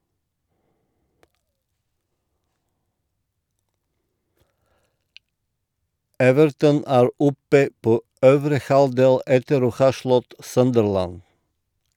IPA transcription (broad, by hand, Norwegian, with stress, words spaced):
ˈɛʋəɾtən ˈæːɾ ˈɔpə ˈpoː ˈøːʋɾə ˈhɑldeːl ˈɛtəɾ ˈoː ˈhɑː ˈʃlɔt ˈsœndəɹlæn